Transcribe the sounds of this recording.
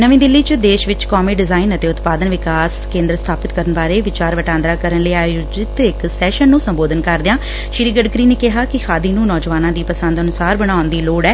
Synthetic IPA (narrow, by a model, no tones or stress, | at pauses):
nəʋĩːd̪ɪlːiːt͡ʃd̪eːʃʋɪt͡ʃkɔːmiːɖɪzaːinət̪eːʊt̪paːd̪ənʋɪkaːskẽːnd̪ɾəst̪ʰaːpɪt̪kəɾənbaːɾeːʋɪt͡ʃaːɾʋəʈãːnd̪ɾaːkəɾənleːaːjud͡ʒɪt̪ɪksɛːʃənːũːsəmboːd̪ənkəɾd̪ɪjãː | ʃɪɾiːɡəɖkɾiːneːkɪɦaːkɪxʰaːd̪iːnũːnɔːd͡ʒʋaːnãːd̪iːpəsə̃nd̪ənʊsaːɾbəɽ̃aːʊnd̪iːloːɽɛː